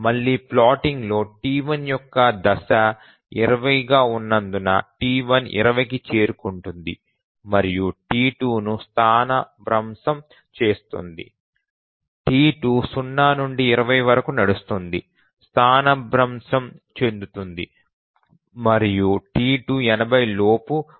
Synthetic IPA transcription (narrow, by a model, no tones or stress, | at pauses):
mɐɭːiːplaːʈiŋɡlo̞ːʈiːʋɐnjɔkːɐd̪ɐsɐ | iɾɐʋɐjɡaːunːɐnd̪unɐ̰ʈiːʋɐnḭɾɐʋɐjk̬it͡ʃeːɾukuɳʈund̪ḭ | mɐɾijuʈiːʈuːnust̪ʰaːnɐbɾɐmsɐm | t͡ʃe̞ːst̪ṵnd̪ḭ | ʈiːʈuːsunːaːnuɳɖiːɾɐʋɐjʋɐɾɐkunɐɽust̪und̪i | st̪ʰaːnɐbɾɐmsɐmt͡ʃe̞nd̪ut̪und̪i | mɐɾijuʈiːʈuːɛnɐbɐjlo̞ːpu